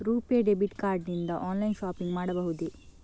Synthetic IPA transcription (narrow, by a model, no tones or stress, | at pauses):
ɾuːpeɖebiʈkaːɾɖnind̪ɐʔaːnlɐjnʃaːpiŋɡmaːɽɐbɐɦud̪i